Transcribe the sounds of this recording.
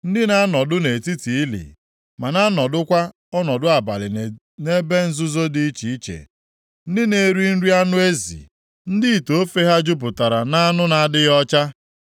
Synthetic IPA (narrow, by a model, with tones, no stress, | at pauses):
n̩˦dɪ˦na˦a˦nɔ˨dʊ˦ne˨ti˦ti˨˦lḭ˨ | ma˨na˦nɔ˨dʊ˦kʷa˦ | ɔ˦nɔ˨dʊ˦a˨ba˨lɪ˨ | ne˦be˦n̩˦zʊ˦zo˦di˦i˦t͡ʃi˨i˦t͡ʃḛ˨ | n̩˦dɪ˦ne˨ɾi˦n̩˦ɾi˦a˦nʊ˦e˦zḭ˨ | n̩˦dɪ˦i˨to˨o˦fe˦ɦa˦d͡ʒʊ˦p̬ʊ˨ta˨ɾa˨na˦a˦nʊ˦na˨dɪ˦ɣɔ˦t͡ʃa˦